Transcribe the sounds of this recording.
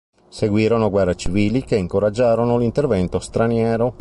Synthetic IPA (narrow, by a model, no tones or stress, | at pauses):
seɡwiːɾonoɡwɛrːat͡ʃiviːlikeiŋkoɾad͡ʒːaːɾonolint̪ervɛnt̪ost̪ɾanjɛːɾo